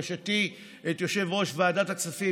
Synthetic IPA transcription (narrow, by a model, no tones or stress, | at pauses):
ʃati | et̪joʃe̞vʁo̞ʃvaːdat̪aksafi